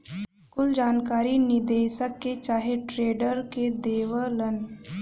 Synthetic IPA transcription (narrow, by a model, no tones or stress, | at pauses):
kʊld͡ʒaːnkaːɾinɪd̪eːʃəkːet͡ʃaːɦeʈɾeːɖəɾked̪eːʋələn